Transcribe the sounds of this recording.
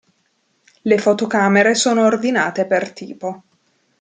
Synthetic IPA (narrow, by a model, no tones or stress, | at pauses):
lefot̪okaːmeɾesoːnoːrd̪inaːt̪epert̪ḭːpo